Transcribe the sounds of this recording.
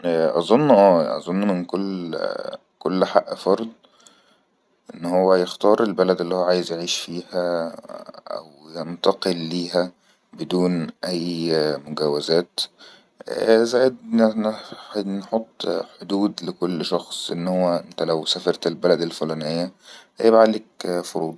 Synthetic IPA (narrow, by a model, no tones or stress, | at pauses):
ʔæʔɑzˤonːʔæːʔɑ̰zˤonːmɪnkolː | kolːħaʔːfɑɾˤd̪ˤ | ʔenːhowːæjext̪ɑːɾˤʔelbælæd̪elːihowːʕaːjezjeʕiːʃfiːhæ | ʔæ̰wjent̪ɑqelːiːɦæ | bed̪uːnʔæjːmʊɡæwæzæːt̪ | zæːjed̪ | nħot̪ˤːħod̪uːd̪lɪkolːʃɑxsˤʔenːhowːæʔent̪ælæwsæfɑɾˤt̪elbælæd̪elfolæːnejːæhæjebʕalekfoɾuːd̪ˤ